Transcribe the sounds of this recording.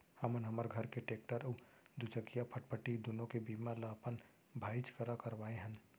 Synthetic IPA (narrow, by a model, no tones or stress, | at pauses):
hɐmənɦɐməɾɡʱɐɾkeʈeːk̚ʈəɾə | d̪ʊt͡ʃəkijapʰəʈ̚pʰəʈid̪ʊnõkebiːmalapən | bʱaːɪt͡ʃkəɾakəɾʋaːeɦən